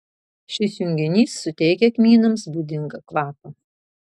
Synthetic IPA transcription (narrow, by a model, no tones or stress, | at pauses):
ʃʲɪsjʊŋʲɡʲɪnʲiːsːʊt̪ʲɛɪkʲɛkʲmʲiːnɐmsbʊd̪ʲɪŋɡɐklˠɑːpɐ